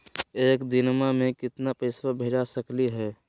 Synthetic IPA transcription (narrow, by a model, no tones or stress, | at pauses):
eːkd̪ɪnmamẽkɪt̪napeɪswabʱeːd͡ʒasəkliɦɛː